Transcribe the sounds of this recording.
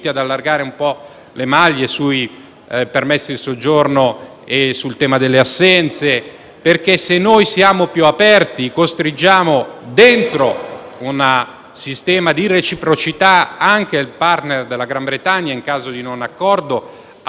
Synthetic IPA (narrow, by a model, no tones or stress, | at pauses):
t̪iad̪alːarɡaːɾeumpɔ | lemaʎːesui | permesːid̪elsod͡ʒorno | esult̪ɛːmad̪elːeasːɛnt̪se | perkesenːojsjaːmopjuapɛrt̪ikost̪ɾid͡ʒaːmod̪ent̪ɾounə | sist̪ɛːmad̪iret͡ʃipɾot͡ʃit̪aaŋk̟elpart̪nerd̪elːaɡɾambɾet̪aɲːjaiŋkaːzod̪inonakːɔrd̪o